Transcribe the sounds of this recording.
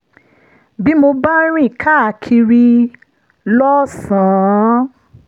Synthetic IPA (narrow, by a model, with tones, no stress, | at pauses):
bi˦mo˧ba˦ɾ̃ĩ˦˨kʰa˦˨kʰi˧ɾi˧ | lɔ˦sãː˨